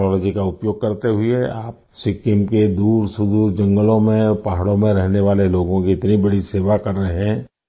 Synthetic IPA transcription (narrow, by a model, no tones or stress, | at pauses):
ɔːlɔːd͡ʒikaʊpjoːɡ̚kɐɾt̪eɦʊieaːp̚ | sɪkɪmked̪uːɾsʊd̪uːɾd͡ʒɐ̃ŋɡəlõmẽpaɦaɽõmẽɾɛɦneʋaːleloːɡõkiɪt̪nibɐɽiseːʋakɐɾːəɦɦɛ̃ː